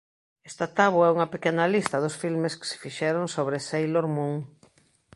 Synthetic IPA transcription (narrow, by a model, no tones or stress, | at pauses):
ɛst̪at̪aβwɛuŋɐpekɛnɐlist̪ɐðʊsfilmeskɪ̥sɪ̥fiʃɛɾoŋsoβɾesejloɾmũŋ